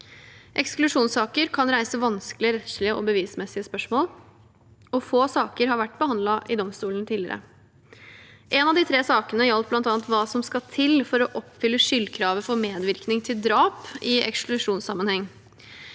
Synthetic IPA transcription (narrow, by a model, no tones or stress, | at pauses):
ʔɛksklʉʂuːnsɑːkəɾkʰɑnɾæɪsəʋɑnskəlɪəɾɛt̪ʂlɪəʔɔbəʋiːsmɛsːɪəspœʂmoːl | ɔfoːsɑːkəɾɦɑɾʋæʈːbəhɑnd̪lɑʔɪd̪ɔmst̪uːlənt̪ʰiːlɪəɾə̰ | ʔɛnɑʋd̪iːt̪ʰɾeːsɑːkənəəjɑlt̪̚blɑnt̪ɑːɑnt̪ʋɑːsɔmskɑt̪ʰɪlfɔɾɔʔɔpːfʏlːəʂʏlːkʰɾɑːʋəfɔɾmeːd̪ʋɪɾknɪŋt̪ʰɪld̪ɾɑːpɪɛ̰ksklʉʂuːnsɑmənhɛŋː